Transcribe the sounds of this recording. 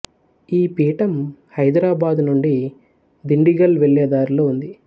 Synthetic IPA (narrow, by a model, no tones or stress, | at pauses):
iːpiːʈɐmhɐjd̪ɾaːbaːd̪nuɳɖi | d̪iɳɖiɡɐlʋeɭjɐd̪aːɾloːund̪i